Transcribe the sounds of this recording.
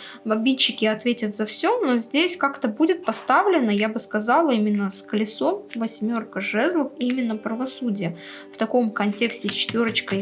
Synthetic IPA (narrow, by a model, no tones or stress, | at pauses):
bɐbʲit͡ɕːɪkʲɪɐt̪vʲetʲət̪zɐfsʲo̞no̞zʲdʲesʲkakt̪əbudʲɪt̪̚pɐst̪avlʲɪnːəjabɨskɐzɑlˠəimʲɪnːəskəlʲɪso̞mvɐsʲmʲo̞rkəʐɛzlˠəfimʲɪnːəpɾəvɐsudʲɪjə | ft̪ɐko̞mkɐnʲtʲe̞ksʲtʲɪsʲt͡ɕɪ̥t̪vʲo̞ɾət͡ɕkəj